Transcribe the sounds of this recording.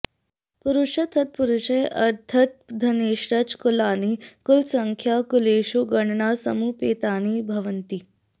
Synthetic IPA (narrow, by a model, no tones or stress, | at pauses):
puɾuɕət̪ʰət̪̚puɾuɕeʔɐɾt̪ʰɐt̪̚d̪ʱɐneːɕɾət͡skulanikulsəŋkʰjakuleːɕuɡəɳɳasə̰muːpet̪anibʱɐʋənt̪iː